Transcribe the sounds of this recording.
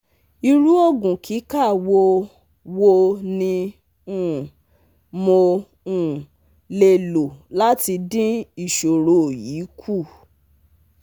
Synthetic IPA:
i˧ɾu˦o˦˨ɡũ˨kʰi˨˦ka˦˨wo˧ | wo˧nĩ˧ | ũ˦˨ | mo˧ | ũ˦˨ | le˧lo˨la˦ti˧dĩ˦i˦˨ʃo˨ɾo˨ji˨˦kʰu˦˨

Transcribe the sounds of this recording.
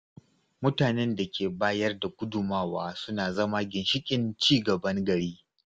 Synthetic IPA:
mʊ˦taː˨nɛ˦nda˨kʲʰeː˨baː˦jɐ˦rda˨kʷʊ˦dʊ˨maː˦waː˦sʊ˦naː˨zɐ˦ma˦ɡʲɪ˨nʃɪ˦kʲʼɪ˨nt͡ʃiː˦ɡɐ˨bɐ˦ŋɡɐ˨ɽiː˦

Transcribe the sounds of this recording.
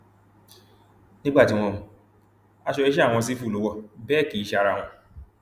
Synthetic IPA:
nĩ˦ɡ͡ba˦˨tɪ˨w̃ɔ̃˧mũ˨ | a˦ʃɔ˧e˦ʃ̬a˦˨ŋ̃ɔ̃˧s̬i˦fu˦˨o˨˦wɔ˦˨bɛ˦˨ki˨i˦ʃa˦ɾa˦˨ŋ̃ʷɔ̃˨

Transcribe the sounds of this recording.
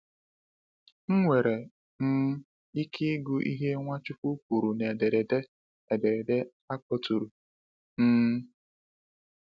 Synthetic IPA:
ŋ̩˦ŋʷe˨ɾe˨ | m̩˦ | i˦kʰi˦ɡu˦ʔḭ˦ɦe˦ŋʷa˦t͡ʃʊ˦pu˦k̚u˨ɾu˨ne˨de˨ɾe˨de˦ | e˨de˨ɾe˨de˦ | a˦kɔ˦tu˨ɾu˨ | n̩˦

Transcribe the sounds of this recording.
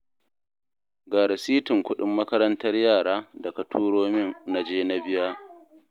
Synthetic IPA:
ɡaː˨ɾa˨siː˦tɪ˨ŋkʷʊ˦ɗɪ˦mːɐ˦kɐ˦ɾɐ˦ntɐ˦rjaː˦˨ɽaː˦dɐ˨kɐ˨tʰuː˦ɽoː˦mɪ˦nna˨d͡ʒeː˦na˦bɪ˦jaː˦

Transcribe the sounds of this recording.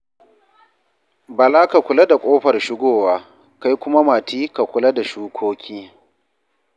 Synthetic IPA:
ba˨laː˦ka˨kʷʊ˨la˦da˨kʷʼoː˦ɸɐ˨rʃɪ˦ɡʷoː˦˨waː˦ | ka˦jkʷʊ˦ma˦maː˨tiː˦ka˨kʷʊ˨la˦da˨ʃuː˦kʷʰoː˦kʲʰiː˦

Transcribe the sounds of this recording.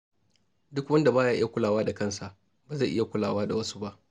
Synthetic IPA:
dʊ˦kwɐ˦nda˨baː˦jaː˦ʔɪ˦ja˨kʷʊ˦laː˨waː˦da˨kɐ˦˨nsa˨ʔ | baː˨za˦˨ʔɪ˦ja˨kʷʊ˦laː˨waː˦da˨wɐ˦su̥˦ba˦ʔ

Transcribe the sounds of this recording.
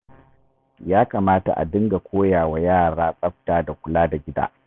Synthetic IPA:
jaː˦kaː˨maː˦ta̰˨ʔa̰˨dɪ˦ŋɡa˨kʷoː˦jaː˨wa˨jaː˦˨ɽaː˦sʼɐ˦ɸ̚taː˦da˨kʷʊ˨laː˦da˨ɡʲɪ˦da̰ː˦

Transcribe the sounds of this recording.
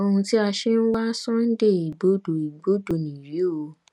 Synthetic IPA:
o˦˧ũ˧ti˦a˧ʃe˦n̩˦wa˦sɔ̃˦n̩˦de˦˨i˨ɡ͡bo˨˦do˨i˨ɡ͡bo˨˦do˨nĩ˨ɾi˨˦o˧

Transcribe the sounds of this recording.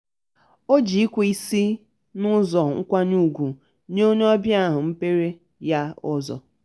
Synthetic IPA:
o˦d͡ʒi˨i˦kʷu˦i˦si˦ | nʊ˦zɔ˨ŋ̩˦kʷa˦nu˦˨ɡʷu˨ | ɲ˦o˦ɲ˦ɔ˦bja˦˨ɦʊ˨m̩˦pe˦ɾe˦ | ja˦ɔ̰˦zɔ̰˨

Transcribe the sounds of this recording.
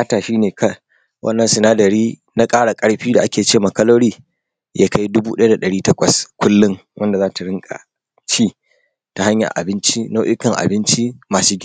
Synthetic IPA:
aː˦taː˨ʃiː˦neː˨kɐ˦ | wʔɐ̰˦nːɐ˨nsɪ˨naː˦dɐ˨ɽiː˦ | na˦kʼaː˦ɽa˨kʼɐ˦ɽɸiː˦da˨ʔa˦kʲeː˨t͡ʃeː˦˨ma˨kɐ˦loː˦ɽiː˦ | jaː˦ka˦jdʊ˦buː˦ɗɐ˦ja˦da˨ɗɐ˨ɽiː˦tɐ˦kʷɐ˨skʷʊ˦lːɪ˦ŋwʔɐ˦nda˨zaː˦ta˨ɽɪ˦ŋkʼa̰˨ | t͡ʃiː˦ | ta˨ha˦ɲja̰˨ʔa̰˨bɪ˦nt͡ʃi˦no˦ʔɪ˦kɐ˨ŋʔa̰˨bɪ˦nt͡ʃi˦maː˨suː˦ɡʲɪ˦˨

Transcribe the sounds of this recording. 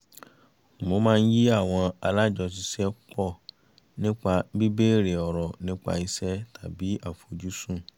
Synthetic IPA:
mo˧˦mãː˦˧n̩˦ji˦a˦˨w̃ɔ̃˧a˧la˦˨d͡ʒɔ˧s̬i˧sɛ˦k͡pɔ˦˨ | nĩ˦k͡pa˧bi˦be˦˨ɾe˨ɔ˨ɾɔ˨nĩ˦k͡pa̰˧i˧sɛ˦ta˨bi˨˦a˦˨fo˨d͡ʒu˦sũ˦˨

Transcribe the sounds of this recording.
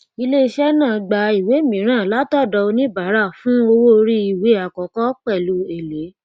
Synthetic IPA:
i˧le˦i˧ʃɛ˦nãː˦˨ɡ͡ba˨i˨we˨˦mĩ˨˦ɾ̃ã˦˨la˦tɔ˦˨dɔ˧o˧nĩ˦ba˨˦ɾa˦˨fũ˦o˧wo˦˧ɾi˦i˦˨we˨˦a˨kɔ˨kɔ˦k͡pɛ˦˨lu˨˦e˨le˨˦

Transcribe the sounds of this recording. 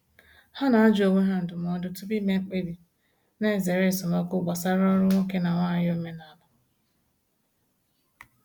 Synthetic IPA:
ha˦na˨a˦d͡ʒo˨wʷe˦ɦa˦n̩˨dʊ˨m˨ɔ˦dʊ˦tu˦bi˦me˦k͡pe˦di˨ | ne˦˨ze˨ɾe˦˨sʊ˨mo˦kʊ˦ɡ͡ba˨sa˦ɾɔ˦ɾʊ˦ŋʷo˦ke˦na˨ŋʷa˦˨jo˦me˦na˨lʊ˨

